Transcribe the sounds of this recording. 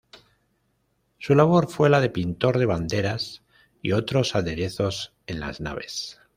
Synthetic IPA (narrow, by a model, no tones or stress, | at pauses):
sulaβ̞o̞ɾfwe̞laðe̞pint̪o̞ɾðe̞βand̪e̞ɾas | ḭo̞t̪ɾo̞saðe̞ɾe̞θo̞s | e̞nla̰zna̰β̞e̞̰s